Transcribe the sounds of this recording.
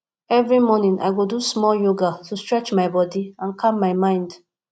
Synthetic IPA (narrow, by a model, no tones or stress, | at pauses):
ɛvɹimɔnĩnʔa̰ɪɡodusmɔljoɡatʰustɹɛt͡ʃmaɪbɔdiãnkʰapmaɪmãɪ̃nd